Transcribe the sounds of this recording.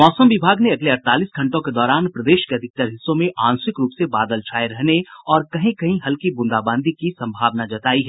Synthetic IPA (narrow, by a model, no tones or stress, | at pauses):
mɔːsəmʋɪbʱaːɡneɐɡleɐɾt̪aːliːsɡʱɐ̃ɳʈõked̪ɔːɾaːnpɾɐd̪eːʃkeɐd̪ʱɪk̚t̪əɾɦɪsːõmẽʔaːnsɪkɾuːpsebaːd̪əlt͡ʃʰaːeɾɛɦneɔːɾkɐɦĩkɐɦĩɦɐlkibʊ̃nd̪aːbãːnd̪ʱikisɐ̃mbʱaːʋnad͡ʒɐt̪aːiɦɛː